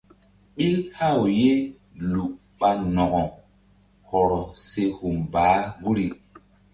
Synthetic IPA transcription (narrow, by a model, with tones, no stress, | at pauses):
ɓi˦lha˦˨wje˦ | lu˨ʔ | ɓa˦nɔ˨ɡɔ˨ | hɔ˨ɾɔ˨se˦hu˨mbaː˨˦ɡu˦ɾi˨